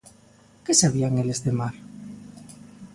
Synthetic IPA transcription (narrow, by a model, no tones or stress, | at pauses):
kesaβ̞iaŋelezðemaɾ